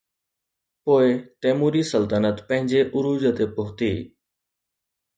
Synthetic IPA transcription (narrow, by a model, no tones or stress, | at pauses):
poːet̪eːmuːɾiːsəlt̪ənət̪pə̃ɦɪ̃ɲd͡ʒeːʔʊɾuːd͡ʒət̪eːpʊɦt̪iː